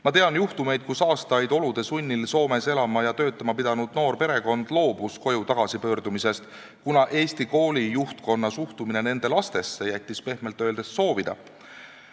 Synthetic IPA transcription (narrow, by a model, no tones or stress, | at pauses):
mɑt̪e̞ɑnjuht̪ume̞jd̪̥̚kusɑːst̪ɑjd̪̥o̞lud̪̥e̞sunʲːilso̞ːme̞se̞lɑmɑjɑt̪ø̞ːt̪ːˑɑmɑpid̪ɑnud̪̥no̞ːrpe̞ɾe̞ko̞nd̪̥lo̞ːbusko̞jut̪ɑɡ̥ɑsipø̞ːrd̪̥umise̞st̪ | kunɑʔe̞ːst̪iko̞ːlʲijuht̪̚ko̞nːɑsuht̪umine̞ne̞nd̪̥e̞lɑst̪e̞sːe̞jæt̪ʲːˑispe̞hme̞lt̪ːˑøld̪e̞sso̞ːvid̪̥ɑ̰